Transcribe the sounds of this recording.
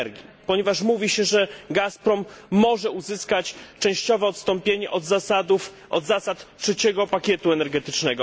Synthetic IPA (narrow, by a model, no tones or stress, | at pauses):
ɾɡʲipɔɲɛvaʂmuvʲiɕɛʐɛɡaspɾɔmːɔʐɛuzɘskat͡ɕt͡ʂɛ̃w̃ɕt͡ɕɔvɛɔt̪st̪ɔmpʲjeɲɛʔɔd̪zaad̪uf | ʔɔ̰d̪zasat̪tʂɛt͡ɕɛɡɔpakʲjɛt̪uɛnɛɾɡɛt̪ɘt͡ʂnɛɡɔ